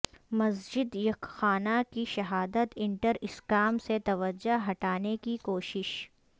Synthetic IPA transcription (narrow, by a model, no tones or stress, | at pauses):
mɐsd͡ʒɪd̪jɐkxaːnakiʃɐɦaːd̪ət̪ɪ̃ɳʈəɾɪskaːmset̪ɐʋəd͡ʒoɦɐʈaːnekikoːʃɪʃ